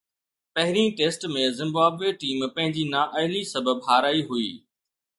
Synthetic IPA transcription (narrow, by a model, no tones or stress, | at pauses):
pɐɦɪɾĩːʈeːsʈmẽzɪ̃mbaːbeːʈiːmpɐ̃ɦɪ̃ɲd͡ʑiːnaːʔɐɦɪlisɐbəbɦaːɾaːiɦuḭː